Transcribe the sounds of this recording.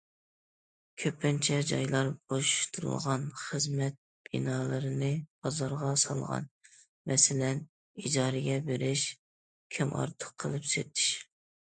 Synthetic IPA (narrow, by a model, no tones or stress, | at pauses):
kʲʰøpːɪnt͡ʃʰɛd͡ʒɑjlˠɑɾb̥oʃu̥ʃt̪ʰuɾṵlˠʁɑnχəzmɛt̪̚ | b̥ḭnɑːlˠɨɾɨnɨb̥ɑzɑɾʁɑsɑ̰lˠʁɑ̰n | mɛsɪlɛn | id͡ʒɑːɾɪɡʲɛbeɾɪʃ | kʲʰimʔɑ̰ɾt̪ʰə̥qʰːəlˠɨpsḛt̪ʰɪ̥ʃ